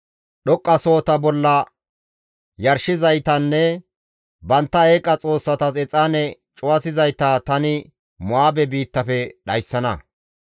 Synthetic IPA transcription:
ɗɔkʼːɐso̞ːt̪ɐbɔlːɐ | jɐɾʃɪzɐjt̪ɐnːɛ | bɐnt̪ːɐeːkʼːɐt͡sʼo̞ːsːɐt̪ɐsɛt͡sʼaːnɛt͡ʃʼʊwɐsɪzɐjt̪aːt̪ɐnɪ | mʊaːbɛbiːt̪ːɐfɛɗɐjsːɐnɐ̰

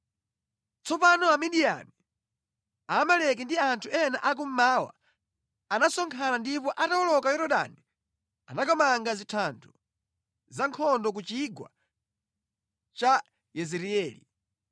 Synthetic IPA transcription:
t͡sɔpanɔamiɗija̰mi | aːmalɛk̬ɛndiantʰuɛnaʔak̬um̩maːwa̰ | anasɔŋkʰanandipɔʔatawɔlɔkajɔɾɔɗa̰ni | anakɔmaŋɡazitʰantʰu | zaŋkʰɔndɔk̬ut͡ʃiɡwa̰ | t͡ʃa | jɛzɛɾiɛːlḭ

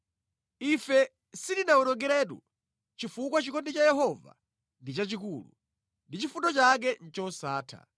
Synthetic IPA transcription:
ifɛ | sidinaɔnɔŋɡɛɾɛːt̬ṵ | t͡ʃifukwat͡ʃikʰɔndit͡ʃajɛɦɔva̰ | ndit͡ʃat͡ʃik̬ulṵ | ndit͡ʃifutɔt͡ʃak̬ɛn̩t͡ʃɔsaːtʰa̰

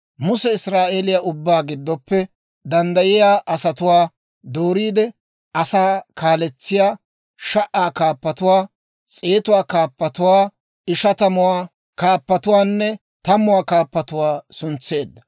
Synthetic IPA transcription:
mʊsɛɪsɾaːʔeːlɪjaʔʊbːaːɡɪd̪ːɔpːɛ | d̪ɐnd̪ɐjɪjaːʔɐsɐt̪ʊwaː | d̪oːɾiːd̪ɛ | ɐsaːkʰaːlɛt͡sːɪjaː | ʃɐʔaːkaːpːɐt̪ʊwaː | t͡sʼeːt̪ʊwaːkaːpːɐt̪ʊwaː | ɪʃɐt̪ɐmʊwaː | kaːpːɐt̪ʊwaːnːɛ | t̪ɐmʊwaːkaːpːɐt̪ʊwaːsʊnt͡sːe̞ːd̪ːɐ

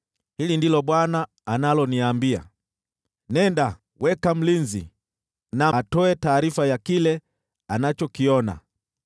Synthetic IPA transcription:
hilindilɔɓwanaː | nalɔniaːmbia̰ | nɛnda | wʔɛkam̩linzḭ | natɔɛtaːɾifajakilɛ | anat͡ʃɔkiɔna̰

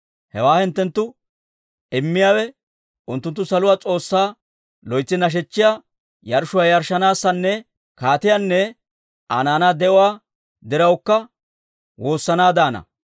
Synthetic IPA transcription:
hɛwaːhɪnt̪ːɛnt̪ːʊ | ɪmːɪjaːwɛ | ʔʊnt̪ːʊnt̪ːʊsɐlʊwaːt͡sʼo̞ːsːaː | lɔjt͡sːɪnɐʃ̬ɛt͡ʃːɪjaː | jɐɾʃʊwaːjɐɾʃɐnaːsːɐnːɛ | kaːt̪ɪjaːnːɛ | ʔa̰ːnaːnad̪ɛʔʊwaː | d̪ɪɾɐwkːɐ | wo̞ːsːɐnaːd̪aːnɐ̰

